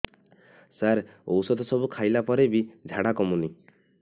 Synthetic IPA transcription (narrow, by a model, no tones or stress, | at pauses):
saɾo̰wsɔd̪ɔsɔbukʰajlapɔɾebid͡ʒʱaɽakɔmuni